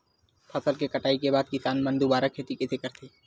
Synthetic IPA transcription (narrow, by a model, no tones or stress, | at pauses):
pʰɐsəlkekɐʈaːikebaːd̪̚kɪsaːnmə̃nd̪ubaːɾakʰeːt̪ikɪsekɐɾt̪ʰeː